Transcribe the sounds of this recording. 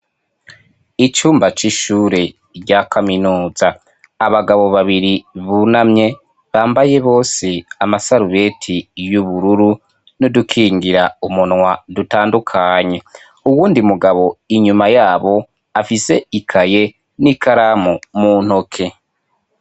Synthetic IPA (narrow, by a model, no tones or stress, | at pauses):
it͡ʃuːmbat͡ʃiʃuːɾe̞ | ɟakʰaminuːzaː | βaɡaβo̞βaβiɾiβunamɲe̞ | βaːmbaje̞βo̞ːseamasaɾuβe̞tʰijuβuɾuɾu | nodukʰiːŋɡiɾaumunŋwadutaːndukʰaːɲe̞ | uwuːndimuɡaβo̞iɲumajaːβo̞ | afise̞ikʰaje̞ | nikʰaɾamumuːn̥hokʰe̞